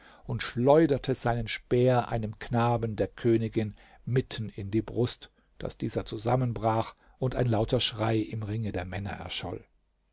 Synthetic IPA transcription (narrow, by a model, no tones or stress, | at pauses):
ʊntʃlɔʏdɐtʰəzaɪnənʃb̥ɛːɐʔa̰ɪnəmkʰnaːbn̩deːɐkʰøːnɪɡɪn | mɪtʰn̩ɪndiːbʁʊst | d̥a̰sd̥iːzɐt͡suzamənbʁaːχ | ʔʊntaɪnlaʊtɐʃʁ̥aɪʔɪmʁɪŋədeːɐmɛnɐ̰ʔɛ̰ɐʃɔ̰l